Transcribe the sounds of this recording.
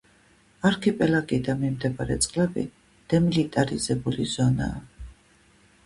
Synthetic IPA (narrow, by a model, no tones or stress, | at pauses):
aɾkʰɛpʼɛlaɡʼid̪amimd̪ɛbaɾɛ̰t̪sʼqʼlɛbḭ | d̪̥ɛmilit̪ʼaɾizɛbulizɔna̰ː